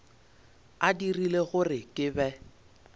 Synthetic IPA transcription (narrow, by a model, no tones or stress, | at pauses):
adirileɣʊrɪkʼɪbɛ